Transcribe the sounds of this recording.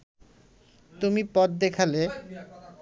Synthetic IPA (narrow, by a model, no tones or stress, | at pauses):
t̪umipɔt̪̚d̪ekʰale